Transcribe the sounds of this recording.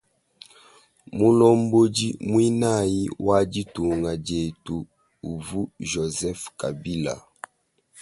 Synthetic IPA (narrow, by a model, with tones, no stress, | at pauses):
mu˦lɔ˦m˦bo˦d͡ʒi˦mwi˦na˦˨ji˦wa˦d͡ʒi˦tu˨ŋa˨d͡ʒe˨tu˨ | u˨vu˦ʒo˨zɛ˦fka˨bi˦la̰˨